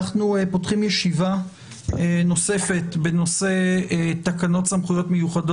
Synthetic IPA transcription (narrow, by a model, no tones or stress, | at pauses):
aχnuepo̞tχimjeʃiva | eno̞se̞fe̞tbe̞no̞se̞takano̞tsamχujo̞tme̞juχado